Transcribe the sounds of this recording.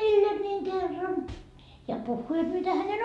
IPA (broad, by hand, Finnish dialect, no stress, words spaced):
meilːe niːŋ kerːɑn jɑ puhːuː jot mitæ hænen